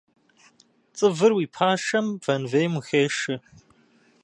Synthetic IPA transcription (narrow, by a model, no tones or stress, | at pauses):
t͡sʼɨvɨrwiːpʰaːʂɐmv̥ɐnvejmuxeːʂɨ